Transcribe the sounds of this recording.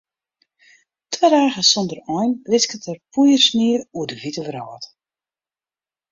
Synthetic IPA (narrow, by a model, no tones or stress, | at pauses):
tʰwɛdaːɣəsɔndərɔjnrɪskətərpʰujərsniəruədəvitəvrɔːt